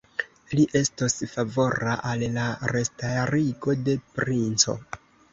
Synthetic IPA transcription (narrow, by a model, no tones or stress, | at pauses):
liʔe̞stosfavo̞ɾaʔallaɾe̞staɾiɡo̞de̞pɾint͡so̞̰